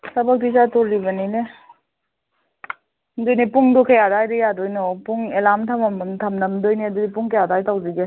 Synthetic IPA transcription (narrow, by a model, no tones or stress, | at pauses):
sɐbɐk̚disatoɾːibɐnine | ndojnipuŋdukʰajadajɾejadojnɔpuŋelamtʰɐmɐmmtʰɐmnɐmdojniɐdudipuŋkʰajadajtʰawziɡe